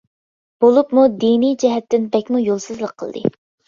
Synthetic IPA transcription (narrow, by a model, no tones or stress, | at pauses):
b̥olˠupmud̪inijd͡ʒɛɦɛt̪ːɪnbɛkʲmujolˠsɨzlˠəqʰːəl̰ˠd̪ɨ̰